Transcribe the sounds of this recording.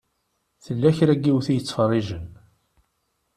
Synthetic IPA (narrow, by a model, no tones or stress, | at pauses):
θəlːæçɾæɡːiwθijət͡sːfərˤːɪʒən